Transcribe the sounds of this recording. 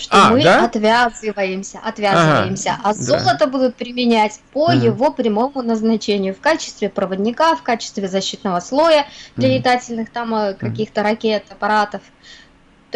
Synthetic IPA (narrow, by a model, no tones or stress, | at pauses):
ʂt̪omɨɐt̪vʲazɨvəjɪmsʲəʔɐt̪vʲazɨvəjɪmsʲə̰ʔɐzo̞lˠət̪əbud̪ʊt̪̚pɾʲɪmʲɪnʲætʲpəjɪvo̞pɾʲɪmo̞mʊnəznɐt͡ɕenʲɪjʊfkat͡ɕɪ̥st̪vʲɪpɾəvədʲnʲɪkafkat͡ɕɪ̥st̪vʲɪzɐɕːit̪nəvəslˠo̞jəd̪lʲəɪd̪atʲɪlʲnɨxt̪amkɐkʲixt̪əɾɐkʲe̞t̪ɐpɐɾat̪əf | t̪